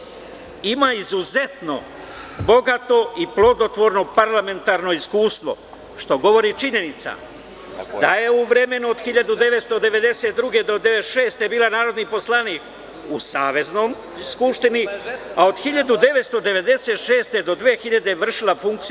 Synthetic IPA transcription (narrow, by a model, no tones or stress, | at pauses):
imaizuze̞t̪no̞̰ | bo̞ɡat̪o̞iplo̞d̪ot̪ʋo̞ɾno̞paɾlˠame̞nt̪aːɾno̞iskuːst̪ʋo̞̰ | ʃt̪o̞ɡo̞ʋo̞ɾit͡ʃiɲe̞nit̪sa̰ | d̪aje̞uʋɾe̞me̞nuod̪xiʎad̪ud̪e̞ʋe̞t̪st̪o̞d̪e̞ʋe̞d̪e̞set̪̚d̪ɾuɡe̞d̪o̞d̪e̞ʋet̪ʃe̞ːst̪e̞biːlˠanaːɾo̞d̪nipo̞slˠaniːk | usaːʋe̞zno̞m | skupʃt̪iniao̞d̪xiʎad̪ud̪e̞ʋet̪st̪o̞d̪e̞ʋe̞d̪e̞set̪ʃe̞ːst̪e̞d̪o̞d̪ʋeːxiʎad̪e̞ʋr̩ʃilafuŋkt̪